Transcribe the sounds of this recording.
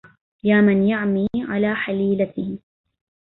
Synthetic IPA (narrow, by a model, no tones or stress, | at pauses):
jaːmanjaʕmiːʕa̰laːħaliːlat̪ɪh